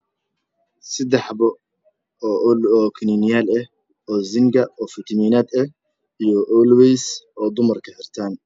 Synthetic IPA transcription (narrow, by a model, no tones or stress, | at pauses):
sɪd̪ɛħbɔː | lɔːkʰɪninɪjaːlɐh | ɔːzɪŋɡɐɔːfɪt̪ʰɐmiːnaːd̪ɛ | ijɔʔɔlwɛjsɔːd̪ʊmɐrkʰɐħɪrt̪ʰaːn